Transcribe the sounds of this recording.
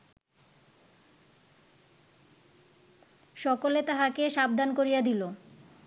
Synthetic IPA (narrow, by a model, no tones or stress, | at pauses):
ʃɔkolet̪aɦakeʃab̚d̪ankoɾijad̪ilo